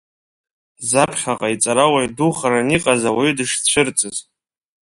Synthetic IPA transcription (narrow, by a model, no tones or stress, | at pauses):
zapʰχʲaqʼait͡sʼaɾawajduχaɾaniqʼazawaidɨʂt͡ɕʷʰɨrt͡sʼɨz